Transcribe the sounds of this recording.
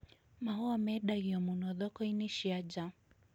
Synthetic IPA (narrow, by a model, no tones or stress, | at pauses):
maɦɔwamɛɗaɣiɔmunɔðɔkɔiniʃiad͡ʒa